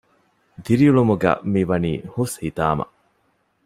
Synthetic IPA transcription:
d̪iɾiuɭumuɡæ̰miʋɐniːhushit̪aːmɐ̰ʔ

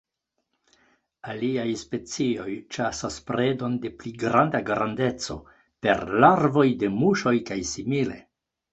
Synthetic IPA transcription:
aliajspe̞t͡sio̞jt͡ʃasaspɾedo̞nde̞pliɡɾandaɡɾande̞t͡so̞̰ | pe̞̰ɾlaɾvo̞jde̞muʃo̞jkajsimile̞̰

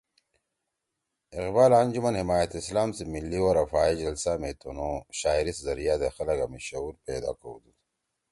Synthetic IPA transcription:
ɪqbaːlaːnd͡ʒumɐnhɪmaːjɐt̪islaːmsimilːiwoɾafaːid͡ʑɐlsamet̪ʰonoɕaːiɾiszɐɾijaːd̪exɐlɐɡɐmiɕɐuɾpeːd̪a̰ːko̰ud̪u

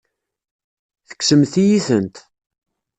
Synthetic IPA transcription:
θə̥ksəmθijiθənt̪

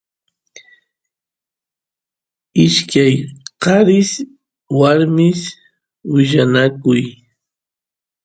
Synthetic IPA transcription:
ɪʃkajqɑɾɪs | waɾmɪs | wɪʒanakʊj

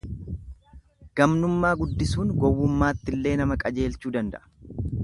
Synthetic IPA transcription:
ɡ̥ɐmnʊmːaːɡʊd̪ːɪsuːnɡɔwːʊmːaːt̪ːɪlːe̞ːnɐmɐkʼɐd͡ʒe̞ːlt͡ʃuːd̪ɐnd̪ɐ̰ʔɐ̥

